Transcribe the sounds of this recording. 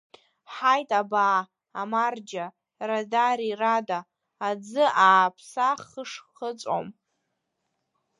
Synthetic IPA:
ħajtʼabaː | mard͡ʒa | radaɾiradaː | d͡zɨʔaːpʰsaχəʂχət͡sʷʼo̰m

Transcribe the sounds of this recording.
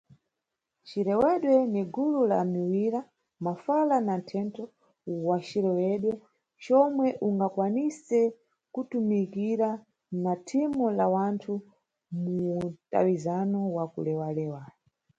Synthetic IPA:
t͡ʃiɾɛwɛɗwɛniɡulula̰miwiɾa | mafalanantʰɛntɔ | wat͡ʃiɾɛwɛɗwɔ | t͡ʃɔmwɛʔuŋɡakwanisɛ | kutumikiɾa | natʰimulawantʰu | muta̰wizanɔwakṵlɛwalɛːwa

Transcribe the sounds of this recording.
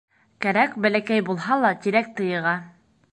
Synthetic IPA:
kæɾækbælækæjbulˠɦɑlˠɑt̪iɾæk̚t̪ɤ̆jɤ̆ʁɑ

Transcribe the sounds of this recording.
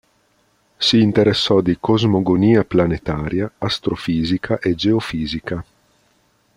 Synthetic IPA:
siːnt̪eɾesːɔd̪ikozmoɡoniːaplanet̪aːɾjaːst̪ɾofiːzikʰaʔed͡ʒeofiːzika

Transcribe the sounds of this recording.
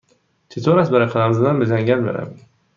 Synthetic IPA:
t͡ʃ̪ʰet̪ʰoɾasbeɾaqʰɑlamɪzɪd̪anbed͡ʒaŋɡʲanbḛɾa̰m

